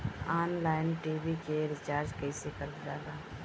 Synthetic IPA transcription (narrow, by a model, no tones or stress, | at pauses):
aːnlaːɪnʈiːbikeɾɪt͡ʃaːɾd͡ʒkɛisekəɾd̪ɪlaːɡaː